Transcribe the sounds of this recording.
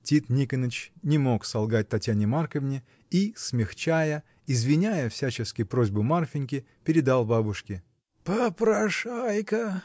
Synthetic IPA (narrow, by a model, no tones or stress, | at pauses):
tʲit̪nʲikənət͡ɕnʲɪmo̞ksɐlˠɡat̚ʲt̪ɐtʲjanʲɪmarkəvnʲɪ | ismʲɪxt͡ɕæjə | ɪzvʲɪnʲæjəfsʲæt͡ɕɪskʲɪpɾo̞zʲbʊmarfʲɪnʲkʲɪ | pʲɪɾʲɪd̪alˠbabʊʂkʲɪ | pəpɾɐʂajkə